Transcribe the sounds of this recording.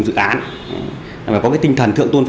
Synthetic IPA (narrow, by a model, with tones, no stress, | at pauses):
ŋ͡mzɨ̰˧˨ʔaː˨˦n˨˩ | vaː˨˩kɔ˨˦kaː˨˦jt̪i˧ŋt̪ʰə˨˩nt̪ɨ̰˧əŋt̪u˧ənf